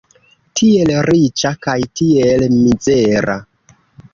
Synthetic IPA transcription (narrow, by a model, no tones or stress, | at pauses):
tʰie̞lɾit͡ʃakajtielmize̞ɾʔa̰